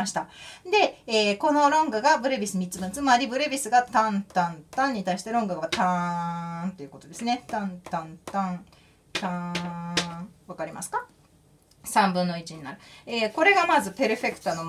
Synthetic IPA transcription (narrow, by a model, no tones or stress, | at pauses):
aɕi̥t̪ad̪e̞eːko̞no̞ɾõ̞ŋɡɯɡabɯ̟ɾebʲisɨmʲitt͡sɨbɯ̃nt͡sɨmaɾʲibɯ̟ɾebʲisɨɡat̪ãnt̪ãnt̪ãɲ̟ːit̪aiɕi̥t̪e̞ɾõ̞ŋɡɯɡat̪ãnt̪e̞iɯ̟̥ko̞t̪o̞d̪e̞sɨne̞t̪ãnt̪ãnt̪ãɴ | t̪ã | βakaɾʲima̰sɨ̥ka | sãmbɯ̟̃nːo̞it͡ɕiɲ̟inaɾɯ̟eːko̞ɾe̞ɡamazɨpeɾɯ̟ɸe̞kɯ̟̥t̪ono